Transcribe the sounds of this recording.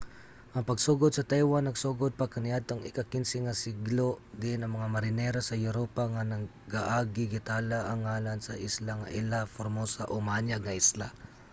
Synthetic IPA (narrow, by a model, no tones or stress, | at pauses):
ʔɐŋpɐɡsuɡod̪̚sɐt̪ajwanːɐɡsoːɡod̪̚pɐkɐnɪʔad̪̚t̪oŋɪkɐkɪnsɪŋɐsɪɡlod̪ɪʔɪnɐŋmɐŋamɐɾɪnɛɾosɐjʊɾoːpaŋanɐ | ɡaʔaːɡɪɡɪt̪alaʔɐŋːaːlansɐʔɪslaŋa̰ʔɪlafoɾmosaʔomaaɲjaɡ̚ŋɐʔɪsla